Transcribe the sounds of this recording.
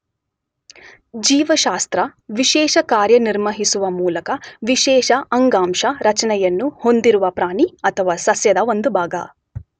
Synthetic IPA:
d͡ʒiːʋɐʃaːst̪ɾɐʋiʃɛːʃɐkaːɾjɐniɾmɐɦisuʋɐmuːlɐkɐʋiʃɛːʃɐʔɐŋɡaːmʃɐɾɐt͡ʃɐnɛjɐnːuhond̪iɾuʋɐpɾaːɳiɐt̪ʰɐʋaːsɐsjɐd̪ɐʋond̪ubʱaːɡɐ̰

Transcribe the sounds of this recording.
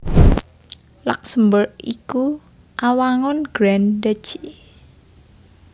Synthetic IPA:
laksəmbərʔḭku | ʔawaŋɔnɡ̥ɾandə̥t͡ʃi

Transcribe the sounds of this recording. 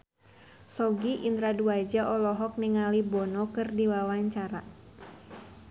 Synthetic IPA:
sɔɡiʔind̪ɾaduad͡ʒaʔɔlɔɦɔk̚niŋalibɔnɔkɨrdiwawaɲt͡ʃaɾa

